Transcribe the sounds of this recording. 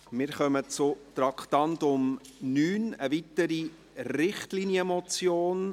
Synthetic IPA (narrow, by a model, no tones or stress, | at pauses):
mɪːɾχœmət͡sʊt̪ɾɑkt̪ɑntʊmnyːnəvitəɾi | rɾɪχtlinjəmɔt͡sjoːn